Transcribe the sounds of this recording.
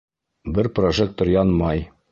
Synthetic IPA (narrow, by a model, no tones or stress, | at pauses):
bɘɾproʒek̚t̪ːŏɾjɑnmɑj